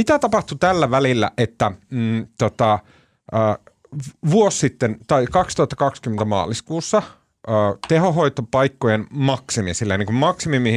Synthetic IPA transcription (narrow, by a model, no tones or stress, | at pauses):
mit̪æt̪ɑpɑht̪ut̪ælːæʋælilːæ̰ʔet̪ːæt̪ot̪ɑ | ə | ʋuosːit̪ːent̪ɑikɑkst̪uhɑt̪ːɑkɑkskymːent̪æmɑ̰ːliskuːsːɑ | əːt̪ehoɦo̞it̪opɑikːojenmɑksimisilːejniŋkummɑksimimi